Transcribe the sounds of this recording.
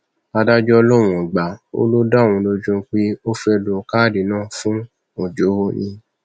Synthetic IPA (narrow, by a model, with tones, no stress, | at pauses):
a˧da˦d͡ʒɔ˦ɔ˧lɔ˦˨ɾ̃ũ˨ɡ͡ba˨o̰˦lo˦dã˦˨ũ˧lo˧d͡ʒũ˦k͡pe˦o˦fɛ˧lu˧˨ka˦˨di˨nãː˦˨fũ˦ | o˨d͡ʒo˨˦o˦nĩ˧